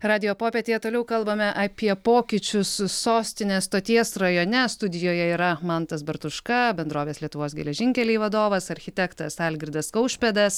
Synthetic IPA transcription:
ɾɑːd̪ʲɪjoːpoːpʲeːt̪ʲeːjɛt̪oːlʲɛʊkɐlˠbɐmʲɛʔɐpʲiɛpoːkʲɪt͡ʃʲʊsːoːsʲt̪ʲɪnʲeːst̪oːt̪ʲiɛsrɐjoːnʲɛst̪ʊd̪ʲɪjoːjɛiːɾɐmɐnt̪ɐsbɐɾt̪ʊʃkɐbʲɛnd̪ɾoːʋʲeːslʲiɛt̪ʊʋoːsɡʲɛ̰lʲɛʒʲɪŋʲkʲɛlʲɛːʋɐd̪oːʋɐsɐɾʲxʲɪt̪ʲɛkt̪ɐsɑlʲɡʲɾʲɪd̪ɐskɐʊʃʲpʲɛd̪ɐs

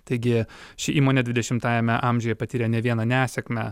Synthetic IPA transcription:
t̪ɐɪɡʲɪʃʲɪʔiːmoːnʲɛd̪ʲʋʲɪd̪ʲɛʃʲɪmt̪ɑːjɛmʲɛʔɑːmʲʒʲojɛpɐt̪ʲiːɾʲɛnʲɛʋʲiɛnɑnʲæːsʲɛkmʲæ

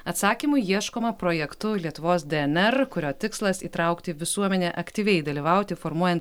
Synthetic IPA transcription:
ɐt̪sɑːkʲiːmʊɪjiɛʃkoːmɐpɾoːjɛkt̪ʊlʲiɛt̪ʊʋoːsd̪ʲɛɛnɛɾkʊɾʲoːt̪ʲɪkslˠɐsiːt̪ɾɑˑʊkt̪ʲɪʋʲɪsuɔmʲɛnʲɛʔɐkt̪ʲiːʋʲɛɪd̪ɐlʲiːʋɑˑʊt̪ʲɪfoːɾmuɔjɛnt̪

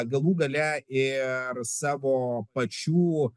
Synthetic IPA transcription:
ɡɐlˠuːɡɐlʲɛɪɾsɑːʋoːpɐt͡ʃʲuː

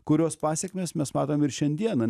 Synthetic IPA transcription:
kʊɾʲoːspɑːsʲɛkʲmʲeːsmʲɛsmɑːt̪oːmɪɾʃʲɛnʲd̪ʲiɛnɐ

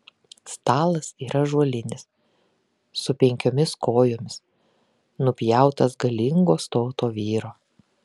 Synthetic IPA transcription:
st̪ɑːlˠɐsiːɾʔɐʒuɔlʲɪnʲɪs | ʊpʲɛŋʲkʲoːmʲɪskoːjoːmʲɪs | nʊpʲjæˑʊt̪ɐsɡɐlʲɪŋɡoːst̪oːt̪oːʋʲiːɾoː

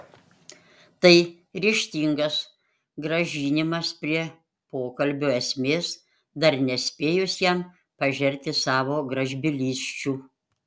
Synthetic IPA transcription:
t̪ɐɪ | ɾʲiːʃʲt̪ʲiːŋɡɐs | ɡɾɐʒʲiːnʲɪmɐspʲɾʲiɛ | poːkɐlʲbʲoːɛsʲmʲeːs | d̪ɐɾnʲɛsʲpʲeːjʊsjɛm | pɐʒʲɛɾʲt̪ʲɪsɑːʋoːɡɾɐʒʲbʲɪlʲiːsʲt͡ʃʲuː

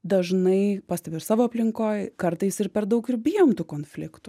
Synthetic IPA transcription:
d̪ɐʒnɐɪpɑːsʲt̪ʲɛpʲɪɪɾsɑːʋoːɐpʲlʲɪŋkoːjkɐɾt̪ɐɪsɪɾpʲɛɾd̪ɐʊkɪɾbʲijoːmt̪uːkoːnfʲlʲɪkt̪ʊ

